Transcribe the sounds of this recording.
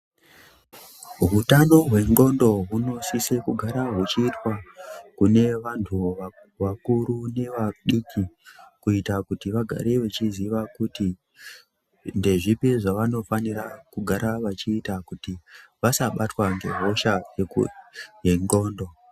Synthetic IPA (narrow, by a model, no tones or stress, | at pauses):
ɦutano̞ɦwe̞ŋɡo̞ndo̞ɦuno̞sisekuɡʱaɾaɦut͡ʃiːtwakune̞ʋantʰua | ʋakuɾune̞ʋaɗikikuitakutiʋaɡʱa̰ɾeʋet͡ʃiziʋakuti | nde̞ʐipeʐaʋano̞faniɾakuɡʱaɾʔaʋat͡ʃiːtakutiʋasaɓatwaŋɡe̞̰ɦo̞ʃaje | jeŋɡo̞ːndo̞